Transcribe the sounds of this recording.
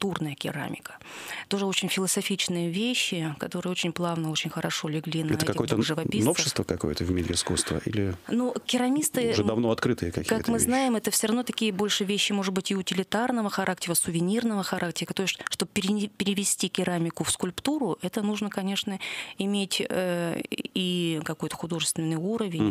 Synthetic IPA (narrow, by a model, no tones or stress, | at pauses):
t̪urnəjəkʲɪɾa̰mʲɪkə̥ | t̪o̞ʐɨo̞t͡ɕɪnʲfʲɪlˠəsɐfʲit͡ɕnɨjəvʲeɕːɪkɐt̪o̞ɾɨjəot͡ɕɪnʲplˠavnəo̞t͡ɕɪnʲxəɾɐʂo̞lʲɪɡlʲinɛɐəɛkɐkʲtɪojxt̪əʐɨvɐpʲinofɕɪst̪vəkɐko̰jə̰t̪əvmʲeɾʲɪ̰ɪskṵst̪və̰ʔḭlʲɪnukʲɪɾɐmʲist̪ɨʐd̪ɐvno̞ɐt̪kɾɨt̪ɨjəkɐkʲiːaək̪mɨznajɪmɛt̪əfsʲoɾɐvnot̪ɐkʲijəbo̞lʲʂɨvʲeɕːɪmo̞ʐɨd̪̚bɨtʲɪʊtʲɪlʲɪt̪arnəvəxɐɾʔak̚tʲɪɾəsʊvʲɪnʲirnəvəxɐɾʔak̚tʲɪɾət̪oɪsʲʂt̪o̞bpʲɪɾʲɪpʲɪɾʲɪvʲɪsʲtʲikʲɪɾamʲɪkʊfskʊlʲpt̪uɾʊʔɛt̪ənuʐnəkɐnʲe̞ʂnəɪmʲetʲə | ikɐko̞jt̪ə̥xʊd̪o̞ʐɨst̪vʲɪnːɨjuɾəvʲɪnʲ